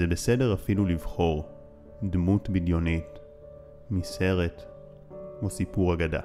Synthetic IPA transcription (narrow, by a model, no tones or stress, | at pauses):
zebe̞se̞de̞ʁafilulivχo̞ʁ | dmutbidjo̞nit | mise̞ʁe̞t | osipuʁaɡada̰